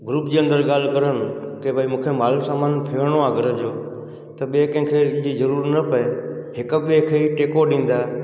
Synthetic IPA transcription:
ɡɾuːpd͡ʑiːə̃nd̪əɾɠaːl̤kəɾənɪkebʱaimũːkʰemaːlsaːmaːnpʰeːɳ̃oaːɡəɾə̃d͡ʒoː | t̪əɓeːkə̃ɦɪ̃kʰeːd͡ʒizəɾuːɾnəpəeɦɪkəɓeːkʰeːiʈeːkoɗĩːnd̪aː

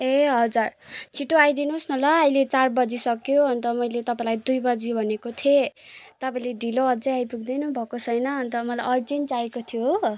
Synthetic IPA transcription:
eɦʌd͡zart͡sʰiʈːoajd̪inusnʌlʌːjlet͡sarbʌd͡zisʌkjoʌnt̪ʌmʌjlet̪ʌpãĩlajd̪ujbʌd͡zibʱʌnekot̪ʰet̪ʌpaĩleɖʱiloʌd͡zʌajpuɡ̚d̪inũbʱʌkot͡sʰʌjnʌɦːnt̪ʌmʌlajʔʌrd͡zinʈaekot̪ʰijo

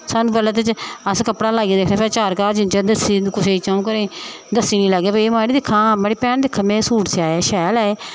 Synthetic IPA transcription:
sanũːbələt̪t͡ʃəskəpɽaːlaːɡeːd̪eːkʰneːpɛːt͡ʃaːɾkaːɾd͡ʒɪnt͡ʃɛːd̪əsiːkʊseːit͡ʃãːũːkəɾẽːd̪əsːiːnĩːləɡːeːbəːmaːɽiːd̪ɪkʰːãːmeɽiːpɛːnd̪ɪkʰːãːmẽːsuːʈsaːɛːʃaːlɛːe

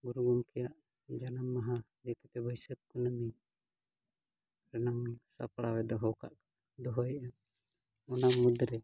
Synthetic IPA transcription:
ɡuɾuɡumkɛjaʔ | d͡ʒanəmːaɦa | d̪ɛkɛt̪ɛbəjsət̪̚kunəmi | ɾɛnamsapɽawɛd̪ɔɦɔwka̰ʔ | d̪ɔɦɔjʔɛn | ɔnamud̪ɾɛ

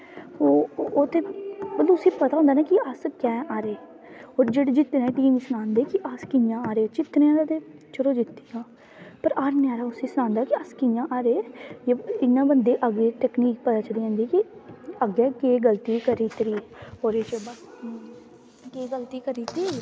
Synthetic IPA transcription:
oːoːt̪eːbəlloːʊsĩːpət̪ãːnd̪aːnaːkɪəskɛːʔaːɾeː | oːɾd͡ʒeːɽeːd͡ʒɪt̪ːnɛːʈiːmsʊnãːnd̪eːkɪʔəskɪjãːaːɾeːt͡ʃɪt̪neːãːaːt̪eː | t͡ʃəɽoːd͡ʒɪt̪ːijãː | pəɾaːɾnɪaːɾaːʊsĩːsʊnãːnd̪aːkɪəskɪjãːʔaːɾeːjeɪnːãːbənd̪eːʔaɡeːʈɛːkniːk̚pət̪aːt͡ʃəliːãːnd̪iːkɪəɡɛːkeːɡəlt̪iːkəɾiːt̪ɾiːoːɾeːt͡ʃəbas | keːɡəlt̪iːkəɾiːt̪ɾiː

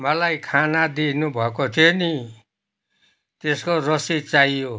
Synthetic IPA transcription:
mʌlajkʰanad̪inubʱʌkot̪ʰjoni | t̪eskoɾʌsit͡saijo

